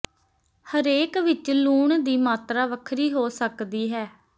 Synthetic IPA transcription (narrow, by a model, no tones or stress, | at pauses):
həɾeːkʋɪt͡ʃluːɳd̪iːmaːt̪ɾaːʋəkʰɾiːɦoːsəkd̪iːɦɛː